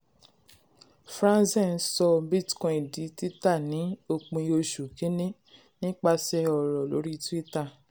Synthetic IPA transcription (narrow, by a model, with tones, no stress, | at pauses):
fɾã˦sɛ˦˨n̩˦sɔ˧bi˦˨tkɔ̃˧˨i˨di˨˦ti˦ta˦˨nĩ˨˦o˧k͡pũ˧i˧˦o˧ʃu˨ke˨˦nẽ˦ | nĩ˦k͡pa˧sɛ˧ɔ˨ɾɔ˨lo̰˨˦ɾi˦˧tu˦i˦ta˦˨